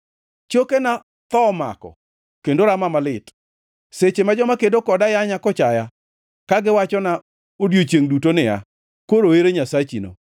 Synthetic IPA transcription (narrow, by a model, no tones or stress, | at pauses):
t͡ʃokena | t̪ɔma̰kɔ̰ | kendoɾamamalɪt | set͡ʃemad͡ʒɔmakedokɔdajaɲakɔt͡ʃaja | kaɡɪwat͡ʃɔna | odjot͡ʃjeŋdutonɪa̰ | koɾoeɾeɲasat͡ʃino̰